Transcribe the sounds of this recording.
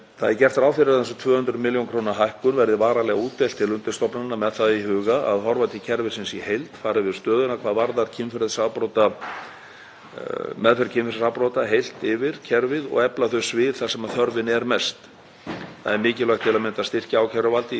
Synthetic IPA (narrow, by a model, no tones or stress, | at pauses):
θa̰ðɛɾcɛr̥t̪aɾaːwθɪɾɪθɛnsɔt̪ʰvœːhʏnt̪ɾʏmɪljonkʰɾownaɦajhkʏnvɛɾðɪvaːɾalɛɣauːt̪ːelt̪ʰːɪlʏnt̪ɪ̥st̪ɔpnaɪnːamɛðθaðihʏːɣaa̰ðhɔɾvat̪ʰɪcʰɛɾvɪ̥sɪnsihejlt̪faːɾɪvɪðst̪œːðʏnakʰvaːðvaɾðaɾcʰɪnfɾɪðsawpɾowt̪a | mɛðfɛɾcʰɪmfɪɾsawpɾowt̪aɦejl̥t̪ɪvɪɾcʰɛɾvɪðɔ̰ɣɛplaθœɥsvɪðθasɛmaθœɾvɪnɛɾmɛst̪ | θa̰ðɛɾmɪːcɪlœjxt̪ʰɪlaðmɪnt̪ast̪ɪr̥caaːwcʰɛɾʏvalt̪ɪ